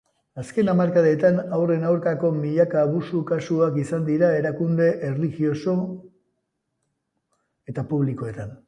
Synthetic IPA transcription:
aske̞namaɾkaðet̪anawre̞nawɾkako̞miʎakaβusukasuakisand̪iɾae̞ɾakund̪e̞ʔerlixio̞so̞ | e̞t̪apuβliko̞e̞t̪an

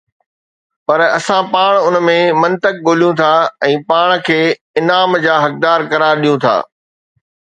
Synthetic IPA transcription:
pɐɾɐsãpaːɽ̃ʊnmẽmɐ̃nt̪ək̚ɠoːlijũt̪ʰaɛ̃ːpaːɽ̃kʰeː | ɪnaːmd͡ʑaːɦɐk̚d̪aːɾkɐɾaːɾɗijũt̪ʰa̰ː

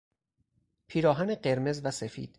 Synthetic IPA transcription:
pʰiːɾɒːɦæneɢe̞ɾme̞zvæsefḭːd̪̥

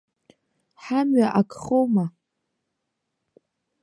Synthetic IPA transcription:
ħamɥaʔakʰχowma

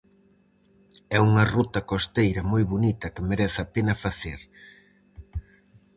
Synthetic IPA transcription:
ɛuŋɐrut̪ɐkost̪ejɾɐmojβonit̪ɐkɪmeɾɛθapenɐfaθeɾ

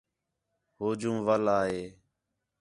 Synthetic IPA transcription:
ɦoːd͡ʒũːʋəlaːɦeː

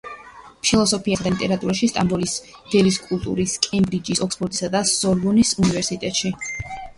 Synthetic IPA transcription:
pʰilˠɔsɔpʰiaad̪alit̪ʼɛɾat̪ʼuɾaʃist̪ʼambɔlis | d̪̥ɛliskʼulˠt̪ʼṵɾiskʼɛmbɾid͡ʒisɔksbɔɾt̪ʼisad̪asɔɾvɔnisunivɛɾsit̪ʼɛt̪ʼʃi

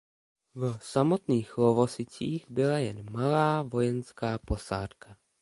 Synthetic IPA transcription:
vsamot̪niːxlovosɪt͡siːɣbɪlajɛnmalaːvo̞jɛnskaːpo̞saːt̪ka

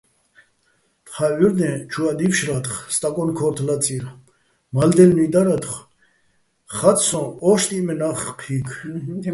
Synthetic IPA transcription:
t̪χayɾd̪ɛ̃t͡ʃʰuad̪ipʃɾat̪χst̪ʼakʼɔnkʰɔɾt̪ʰlat͡sʼiɾ | mald̪ɛlnud̪aɾad̪χ | χat̪sɔ̃ɔʃt̪ʼimɛnaχqʰikʰ

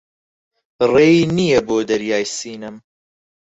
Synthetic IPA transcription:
b̥ɨreːiːnijɐboːd̪ɐɾjaːjsiːnɨm

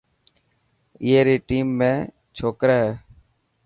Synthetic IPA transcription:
eːɾiːʈiːmːẽː | t͡ʃʰoːkɾaːɦɛː

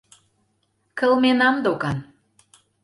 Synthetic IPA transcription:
kə̆lmenɑmd̪okɑn

